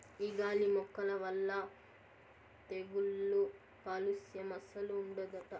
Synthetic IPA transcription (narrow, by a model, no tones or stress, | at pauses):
iɡaːlimɔkːɐlɐʋɐlːɐ | t̪eɡulːu | paːlusjɐmɐsɐluːɳɖɐd̪ɐʈɐ